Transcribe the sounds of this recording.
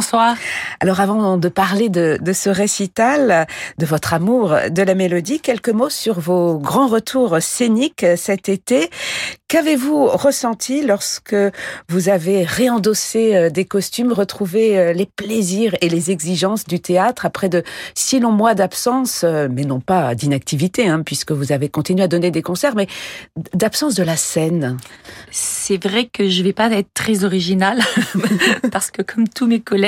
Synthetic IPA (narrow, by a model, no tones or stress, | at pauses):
swaːʁa̰lɔʁavɑ̃d̪əpaʁled̪əd̪əsəʁesit̪ald̪əvɔt̪χamuʁd̪əlamelɔd̪ikʲɛlkəmosyʁvoɡʁɑ̃ʁət̪ʰuʁseniksɛt̪et̪ekavevuʁəsɑ̃t̪ʰilɔʁskəvuzaveʁeɑ̃d̪ɔseød̪ekɔst̪ymʁət̪χuveølepleziʁelezɛɡziʒɑ̃sd̪yt̪eat̪χapχɛd̪əsilɔ̃mwad̪apsɑ̃sømɛnɔ̃pad̪inak̚t̪ivit̪eɛ̃pɥiskəvuzavekɔ̃t̪inɥyad̪ɔned̪ekɔ̃sɛʁmɛd̪apsɑ̃s̬d̪əlasɛn | sɛvʁɛkəʒəvɛpaɛt̪χt̪χɛzɔʁiʒinal | paʁsə̥kəkʰɔmt̪ʰumekɔlɛ